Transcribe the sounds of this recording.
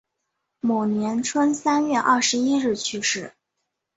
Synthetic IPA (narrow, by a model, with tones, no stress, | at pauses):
mo˨˩ʊnjɛ˧˥nʈ͡ʂʰwə˥nsa˥nɥɛ˥˧ʔɐ˥˩ʂɻ̩˧˥i˥ɻɻ̩˥˩t͡ɕʰy˥˧ʂɻ̩˥˩